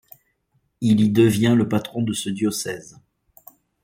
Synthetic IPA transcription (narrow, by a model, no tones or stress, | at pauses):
ilid̪əvjɛ̃ləpat̪χɔ̃d̪əsəd̪jɔsɛz